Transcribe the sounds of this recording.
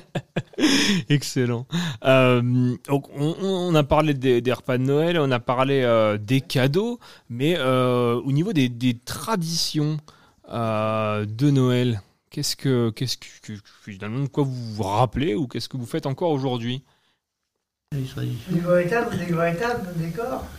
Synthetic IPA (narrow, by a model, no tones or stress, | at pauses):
ɛkselɑ̃ømd̪ɔ̃kɔ̃ʔɔ̃ːnapaʁled̪ed̪ɛʁpad̪ənɔɛlɔ̃napaʁleød̪ekʲad̪omɛøonivod̪ed̪et̪χad̪isjɔ̃ | ød̪ənɔɛl | kʲɛskəkʲɛskkə | finalmɑ̃d̪əkwavuʁapleukʲɛskəvufɛt̪ɑ̃kɔʁoʒuʁd̪ɥi | d̪eɡʁɔet̪abd̪eɡʁɔet̪abəd̪ekɔːʁ